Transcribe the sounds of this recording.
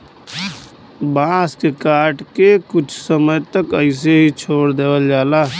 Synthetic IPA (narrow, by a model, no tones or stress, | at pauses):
bãːskekaːɾʈkekʊt͡ʃʰsəməjt̪əkəɪs̬eɦit͡ʃʰoːɽd̪eːwəld͡ʒaːlaː